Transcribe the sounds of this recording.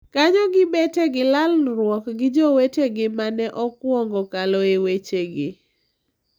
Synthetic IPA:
kaɲɔɡɪbeteɡɪlalɾwɔkɡɪd͡ʒɔweteɡɪmanɛʔɔkwɔŋɡɔkalɔewet͡ʃeɡɪ

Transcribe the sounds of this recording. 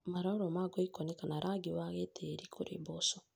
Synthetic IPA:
maɾaoɾɔmaɡɔikɔnekanaɾʔaɡiwaɣetʰeɾikʰoɾḛbɔsɔ

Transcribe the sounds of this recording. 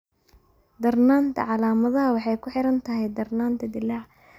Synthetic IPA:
d̪ɐrnaːnt̪ʰɐ̰ʕɑlaːmɐðɐɦɐwɑħɑjkʰʊħɪɾɐnt̪ʰɐɦɛjd̪ɐrnaːnt̪ʰɐd̪ɪlaʕ

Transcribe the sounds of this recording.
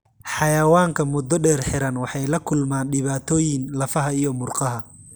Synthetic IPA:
ħɑjɐwaːŋkʰɐmʊd̪ːɔɖɛːrħɪɾɐnwɑħɑjlɐkʰʊlmaːnɖɪβaːt̪ʰɔːjɪnlɐfɐɦɐijɔmʊrqɑɦɐ

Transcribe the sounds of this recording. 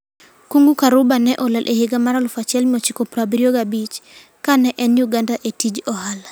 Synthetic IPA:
kuŋɡukaɾubanɛʔɔlɛlʔeheɡamaɾalʊfat͡ʃɛlmiɔt͡ʃikɔpɾabɾioɡabit͡ʃ | kanɛʔɛnjuɡandaʔetid͡ʒɔhal

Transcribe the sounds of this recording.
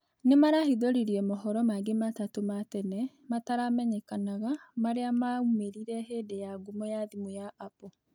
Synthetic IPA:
nemaɾahiðoɾiɾiɛmɔɦɔɾɔmaɡematatomatɛnɛ | mataɾamɛɲɛkanaɣamaɾeamaumeɾiɾɛɦedejaɡumɔjaðimujaːpɔ

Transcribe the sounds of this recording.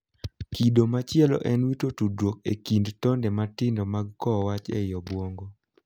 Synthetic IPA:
kidomat͡ʃɪɛlɔ̰ʔɛnwitotudwok̚ḛkindtɔndɛmatɪndɔmaɡ̚kɔwat͡ʃɛ̰jɔbwoŋɡo

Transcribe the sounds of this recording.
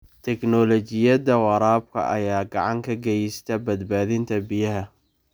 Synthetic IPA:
t̪ʰɛknɔlɔt͡ʃɪjɐðɐwɑɾaːb̚kʰɐ̰ʔɐjaːɡɑʕɑŋkʰɐɡɛjst̪ʰɐbɐd̪baːðɪnt̪ʰɐbɪjɐɦɐ

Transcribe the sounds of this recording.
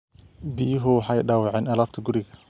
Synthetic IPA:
bijɦʊwħɑjɖaːwɑʕɛːnɐlaːbt̪ʰɐɡʊɾɪɣɐ

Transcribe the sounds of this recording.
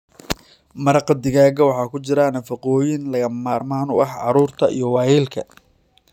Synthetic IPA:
mɐɾɑqɑd̪ɪɣaːɣɐwɑħɑːkʰʊt͡ʃɪɾɐnɐfɑqɔːjɪnlɐɣɐmaːrmaːnʊ̰ʔɑħʕɑɾuːrt̪ʰɐʔḭjɞwɑːjilkʰɐ̰

